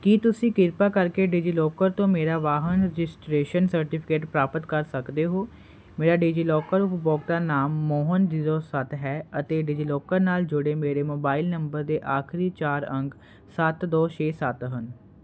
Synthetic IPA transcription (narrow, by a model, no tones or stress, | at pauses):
kiːt̪ʊsĩːkɪɾpaːkəɾkeːɖid͡ʒiːlɔːkəɾt̪õːmeːɾaːʋaːɦənɾɛd͡ʒɪsʈɾeːʃənsəɾʈɪːpʰɪ̥keːʈpɾaːpət̪kəɾsəkd̪eːɦoː | meːɾaːɖiːd͡ʒiːlɔːkəɾʊpbɔːkd̪aːnaːmːɔːɦəndɪzoːsət̪ɦɛːət̪eːɖid͡ʒiːlɔːkəɾnaːld͡ʒʊɽeːmeːɾeːmoːbaːilnəmbəɾd̪eːʔaːkʰɾiːt͡ʃaːɾə̃ŋɡ | sət̪d̪ɔːt͡ʃeːsət̪ɦən